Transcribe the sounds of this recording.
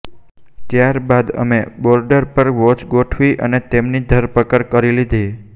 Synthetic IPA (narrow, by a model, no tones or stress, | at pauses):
t̪jaɾbad̪ə̰mebɔɾɖəɾpəɾʋot͡ʃɡoʈʰʋiʔə̰net̪emnid̪ʱəɾpəkəɾkəɾilid̪ʱi